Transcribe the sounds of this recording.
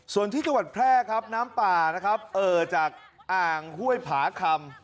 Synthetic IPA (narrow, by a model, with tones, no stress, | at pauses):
su˨˩ənt̪ʰiː˥˩t͡ɕa˧ŋwa˨˩t̪̚pʰɾɛː˥˩kʰa˦˥p̚naː˦˥mpaː˨˩na˦˥kʰɾa˦˥p̚ʔɤː˨˩t͡ɕaː˨˩k̚ | ʔaː˨˩ŋhu˥˩əjpʰaː˩˦kʰa˧m